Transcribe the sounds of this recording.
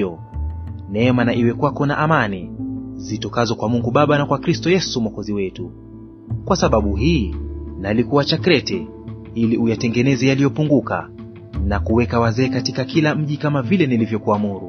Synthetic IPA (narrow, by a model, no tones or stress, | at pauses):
ɔ | nɛɛmanaʔiwɛkwakɔna̰ʔamanizitɔkazɔkwamuŋɡuɓaɓanakwakɾistɔjɛsumwakɔziwɛtu | kwasaɓaɓuɦiːnalikuwat͡ʃakɾɛtɛ | iliʔujatɛŋɡɛnɛzɛjalijɔpuŋɡuka̰ | nakuwɛkawazɛːkatikakilam̩ʄikamavilɛnilivjɔkuamuɾu